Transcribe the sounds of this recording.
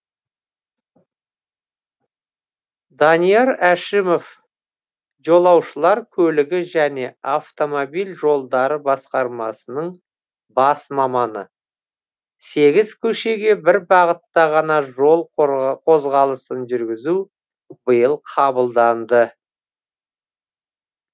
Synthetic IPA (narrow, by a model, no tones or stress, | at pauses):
d̪ɑnijeɾæʃɪmo̞f | ʒo̞lˠɑwʃəlˠɑɾkʲʰɵlɪɡʲɪʒæne̞aft̪o̞mobijlʒo̞lˠd̪ɑɾəbɑsqɑɾmɑsənəɴ | bɑsmɑmɑnə̰ | se̞ɡʲɪzkʲʰɵʃe̞ɡʲe̞bɪɾbɑʁət̪ːɑʁɑnɑʒolˠqʰo̞zʁɑlˠəsənʒʏɾɡʲɪzu | bəjəlˠqʰɑbəlˠd̪ɑnd̪ə